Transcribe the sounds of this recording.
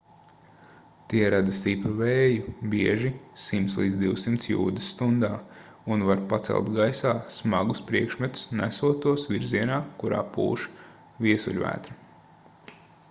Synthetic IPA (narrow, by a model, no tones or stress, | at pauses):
t̪iɛɾad̪ast̪ipɾavɛːjubiɛʒisimt̪slˠiːd̪zd̪iwsimt̪sjṵːd̪ɪsːt̪und̪aː | unvaɾpat̪sɛ̰lˠt̪ɡajsaːsmaɡuspɾiɛkʃmɛt̪u̥snæ̰suɔt̪uɔsʋiɾziɛnaːkuɾa̰ːpṵːʃ | viɛsṵʎʲvæ̰ːt̪ɾɐ